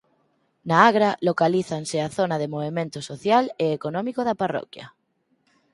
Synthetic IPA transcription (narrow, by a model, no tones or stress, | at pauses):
naaɣɾalokaliθanseaθonaðemoβemẽnt̪osoθjaleːkonɔ̃mikoðaparɔ̰kja̰